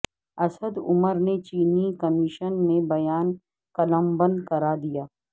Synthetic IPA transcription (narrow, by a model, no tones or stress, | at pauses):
ɐsəd̪ʊməɾnet͡ʃiːnikɐmɪʃənmebɐjaːn | kɐləmbə̃nd̪kɐɾaːd̪ijaː